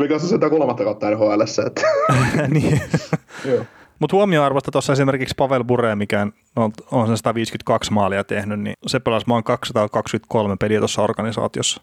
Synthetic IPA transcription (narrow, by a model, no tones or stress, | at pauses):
miksesilt̪ækolmɑt̪ːɑkɑˑt̪ːɑːnhoelesːɑḛt̪ːæniː | joː | mut̪huomioɑrʋost̪ɑt̪osːɑesimerkikspɑʋelbureːmikæn | nolt̪onsensɑt̪ɑʋiːskyt̪̚kɑksmɑːliɑt̪ehnynnḭsepːelɑsmɑːŋkɑksɑt̪ɑkɑkskyt̪̚kolmepeliæt̪osːɑorɡ̥ɑnisɑ̰ːt̪iosːɑ̥